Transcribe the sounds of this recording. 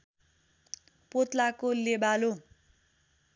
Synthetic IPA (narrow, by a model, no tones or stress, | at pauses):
pot̪lakolebalo